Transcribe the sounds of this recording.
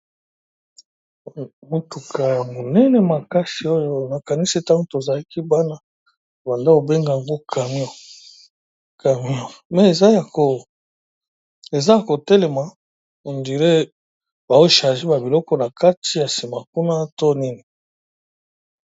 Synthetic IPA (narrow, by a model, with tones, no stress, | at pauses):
mo˨tu˨kʰa˨ja˨mo˨nɛ˦nɛ˨ma˨ka˦si˨o˦jo˦na˨ka˨ni˦si˦ta˦ŋɡo˦to˨za˨la˦ki˦ba˦na˦˨ | ba˨nda˦o˨be˦ŋɡa˨a˨ŋɡo˦kʰa˨mi˦ɔ˦˨ | ka˨mi˦ɔ˨mɛ˨e˨za˦ja˨ko˨ | e˨za˦a˨ko˨tɛ˦lɛ˨ma˨ | o˨ndi˨ɾe˦ | ba˨o˦ʃa˨ʒi˦ba˨bi˨lɔ˦kɔ˨na˨ka˦tʰi˨ja˨si˨ma˨ku˦na˦to˦ni˦ni˨